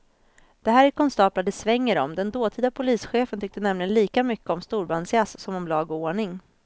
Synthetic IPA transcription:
d̪̥ɛɦæːɾæɾkʰɔnst̪ɑːplad̪ɛsvɛŋːəɾɔ̰md̪ɛnd̪oːt̪ʰiːd̪apʰʊliːsɧeːfənt̪ʰʏk̚t̪ənɛmlɪɡənliːkamʏkːəɔmst̪uːɾbansɪassɔmɔmlɑːɡɔoːɳɪŋ

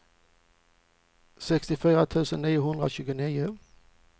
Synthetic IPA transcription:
sɛkst̪ɪfyːɾat̪ʰʉ̟ːsənːiːʊɦɵnd̪ɾa̰ɕʉ̟ːɡʊniːʊ

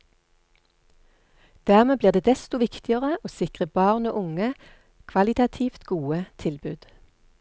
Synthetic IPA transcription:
d̪̥æːʁmeːbliːʁd̪eːd̪ɛst̪ʊʋɪkt̪ɪəʁəʔoːsɪkʁəbɑːʁno̰ːʔʊŋə | kʰʋɑlɪt̪ɑt̪ʰiːft̪ɡuːət̪ʰɪlbʉːd̪̥

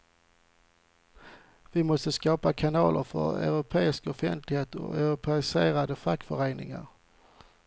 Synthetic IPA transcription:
vɪmɔst̪əskɑːpakʰanɑːlʔə̰ɾfœ̰ɾœ̰ʉɾʊpʰeːɪskɔfɛnt̪ʰlɪɡheːt̪ɔ̰œ̰ɾʊpʰeɪseːɾad̪əfakːfœɾeːnɪ̰ŋa̰ɾ

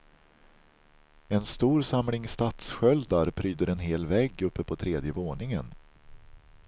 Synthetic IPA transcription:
ɛnst̪uːɾsamlɪŋst̪at̪sɧœld̪aɾpʰɾyːd̪əɾɛnɦeːlvɛɡɵpːəpʰɔt̪ʰɾeːd̪jəvoːɳɪŋən

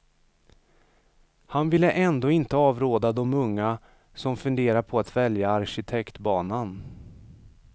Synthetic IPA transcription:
hanvɪlːəʔɛnd̪oːɪnt̪əɑːvɾoːd̪ad̪ɔmɵŋːa | sɔmfɵnd̪eːɾaɾpʰɔat̪vɛljaːɾɕɪt̪ʰɛkt̪bɑːnan

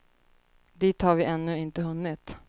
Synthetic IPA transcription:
d̪iːt̪haɾvɪʔɛnːɵɪnt̪əɦɵnːɪt̪

